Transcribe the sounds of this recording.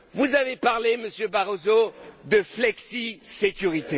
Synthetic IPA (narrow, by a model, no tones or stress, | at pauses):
vuzavepaʁleməsjøbaʁozod̪əflɛksisekʲyʁit̪e